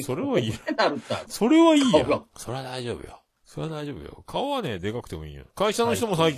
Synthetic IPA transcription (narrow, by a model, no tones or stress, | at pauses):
so̞ɾe̞βaiːaɾɯaso̞ɾe̞βaiiːja̰so̞ɾe̞βad̪aiʑo̞̰ːbɯ̟jo̰ | so̞ɾe̞βad̪aiʑo̞ːbɯ̟̰jo̰kʰaoβane̞d̪e̞kakɯ̟t̪e̞mo̞ḭːjã̰kaiɕano̞çi̥t̪o̞mosaikʲ